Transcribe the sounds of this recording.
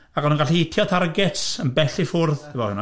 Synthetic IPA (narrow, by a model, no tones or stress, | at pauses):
akɔnunɡaɬiɪtʰjɔθʰarɡɛtsənbɛɬifʊrð̥ʰɪvɔhʊna